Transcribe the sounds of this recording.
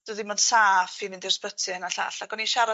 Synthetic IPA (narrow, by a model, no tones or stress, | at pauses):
d̥əðɪmɔnd̥saːfivɪndɪrspətʰɨnaɬa̰ːɬakɔniʃaɾa